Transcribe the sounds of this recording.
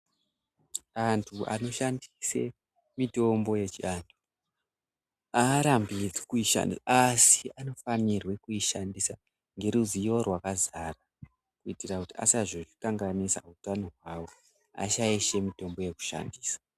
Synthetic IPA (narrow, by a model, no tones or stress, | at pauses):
antʰua̰no̞ʃandise̞ | mito̞mbo̞je̞t͡ʃiantʰu | aːɾambikuiʃa̰niasiano̞fanirwe̞kuiʃandisa | ŋɡe̞ɾuzijo̞rwakazara | kuitirakutia̰saʐoʐikaŋɡanisa̰utano̞ɦwawo̞ | a̰t͡ʃaiʃe̞mito̞mbo̞je̞ku̥ʃa̰ndiːsḁ